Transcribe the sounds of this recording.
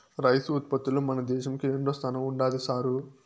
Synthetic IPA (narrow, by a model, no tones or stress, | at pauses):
ɾɐjsuːt̪pɐt̪ːulomɐnɐd̪ɛːʃɐmkieɳɖoːst̪ʰɐnɐmuɳɖaːlisaːɾu